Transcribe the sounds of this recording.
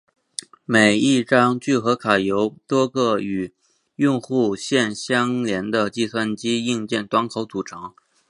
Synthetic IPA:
me˨˩ɪi˥˩ʈ͡ʂɑ˥ŋt͡ɕy˥˩xɤ˧˥kʰa˨˩jo˧˥ʊt̪wɔ˥ɡɤ˥˩y˨˩ | jʊ˥˧ŋxu˥˧ɕjɛ˥˧nɕjɑ˥ŋljɛ˧˥nd̪ə˧t͡ɕi˥˧swa˥˩nt͡ɕi˥i˥˧ŋt͡ɕjɛ˥˩nt̪wa˧˥nkʰo˧˥ʊt͡su˨˩ʈ͡ʂʰɑ˧˥ŋ

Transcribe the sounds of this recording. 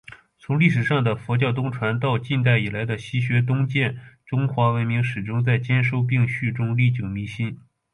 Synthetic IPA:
t͡sʰʊ˧˥ŋli˥˩ʂɻ̩˨˩ʂɑ˥˩ŋd̪ə˩fɔ˧˥t͡ɕjɑ˥˩ʊt̪ʊ˥ŋʈ͡ʂʰwa˧˥nt̪ɑ˥˧ʊt͡ɕi˥˧nt̪a˥˩ɪi˨˩la˧˥ɪd̪ə˧ɕi˥ɕɥɛ˧˥t̪̬ʊ˥ŋt͡ɕjɛ˥˩nʈ͡ʂʊ˥ŋxwa˧˥wə˧˥nmi˧˥ŋʂɻ̩˨˩ʈ͡ʂʊ˥ŋt͡sa˥˩ɪt͡ɕjɛ˥nʂo˥˧ʊp̬i˥˧ŋɕy˥˩ʈ͡ʂʊ˥ŋli˥˩t͡ɕjo˨˩ʊmi˧˥ɕi˥n

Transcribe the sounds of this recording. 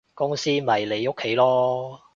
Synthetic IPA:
kʊ˥ŋsiː˥mɐ˨˩jle˨˧jʊ˥kʰːe˨˥jlɔː˥

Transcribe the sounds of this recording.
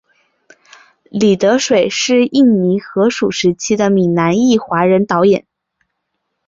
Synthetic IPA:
li˨˩t̪ɤ˧˥ʂwe˨˩ɪʂɻ̩˥˧i˥˩nni˧˥xɤ˧˥ʂu˨˩ʂɻ̩˧˥t͡ɕʰi˥d̪ə˨mi˨˩na˧˥ni˥˩xwa˧˥ɻə˧˥nt̪ɑ˧˥ʊjɛ˨˩˦n

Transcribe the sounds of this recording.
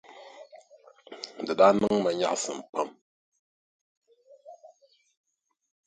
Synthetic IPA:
dɨ˨ɗa˦nɨ˦ŋma˨ɲa̰˨ʔsɨ˨m̩˨pa˦m

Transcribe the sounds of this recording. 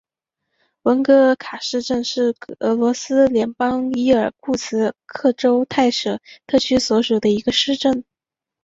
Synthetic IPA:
wə˧˥nkɤ˧˥kʰa˨˩ʂɻ̩˥˧ʈ͡ʂə˥˧ŋʂɻ̩˥˩ɤ˧˥lwɔ˧˥sɹ̩˥ljɛ˧˥npɑ˥ŋi˥ə˞˨˩kʰu˥˩t͡sʰɹ̩˧˥kʰɤ˥˩ʈ͡ʂo˥ʊt̪ʰa˥˩ɪʂɤ˨˩t̪ʰɤ˥˩t͡ɕʰy˥swɔ˧˥ʂu˨˩d̪ə˦i˧˥ɡə˧ʂɻ̩˥˧ʈ͡ʂə˥˩n

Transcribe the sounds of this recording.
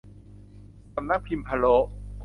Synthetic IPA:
sa˧mna˦˥k̚pʰi˧mpʰa˧lo˦˥ʔk

